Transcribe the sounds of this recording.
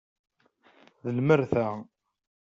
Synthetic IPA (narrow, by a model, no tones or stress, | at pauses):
ðəlməɾθæ